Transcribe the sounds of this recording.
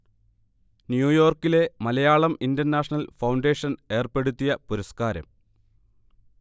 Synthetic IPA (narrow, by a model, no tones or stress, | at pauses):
njuːjo̞ːrkːile̞mɐlɐjaːɭɐmindɐrnaːʂnɐlfɐwɳɖe̞ːʂɐne̞ːrpe̞ɽut̪ːijɐpuɾɐskaːɾɐ̰m